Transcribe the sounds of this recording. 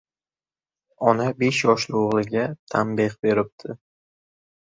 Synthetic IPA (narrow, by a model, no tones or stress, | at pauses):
ɒnabe̞ʃjɒʃlɪoʁlˠɪɡʲat̪ʰambeqbe̞ɾɪp̚t̪ʰɪ